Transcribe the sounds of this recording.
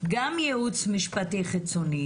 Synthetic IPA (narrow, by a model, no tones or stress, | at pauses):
ɡamjeut͡smiʃpatiχit͡soni